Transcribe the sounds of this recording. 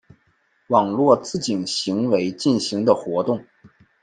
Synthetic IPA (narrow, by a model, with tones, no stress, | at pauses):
wɑ˨˩ŋlwɔ˥˧t͡sɹ̩˥˩t͡ɕi˨˩nɕi˧˥ŋwe˧˥ɪt͡ɕi˥˩nɕi˧˥ŋd̪ə˧xwɔ˧˥t̪ʊ˥˩ŋ